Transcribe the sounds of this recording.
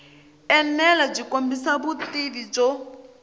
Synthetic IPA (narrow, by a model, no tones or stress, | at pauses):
ɛnɛlab͡ʐikombisaβutiβid͡ʒɔ